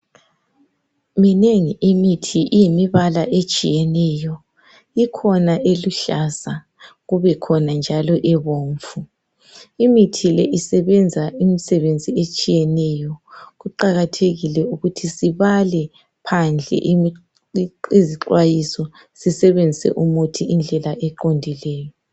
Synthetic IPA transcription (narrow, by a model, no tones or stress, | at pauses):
mineŋiʔimitʰiʔijimiβalaʔet͡ʃʼijɛnɛjɔ | ikʰɔnaʔeluɬasa | ɣuβɛkʰɔnand͡ʒʱalɔʔɛβoːɱfu | imitʰilɛʔisɛβɛnd͡zʱaimisɛβend͡zʱiet͡ʃʼijɛnɛjɔɣuǃaɣatʰeɣilɛuɣutʰisiβalɛ | pʰand͡ɮʱɛ̰ʔi | iziǃwajisɔ | sisɛβend͡zʱisɛ̰ʔumutʰiind͡ɮʱɛlaʔɛǃondʱilɛːjɔ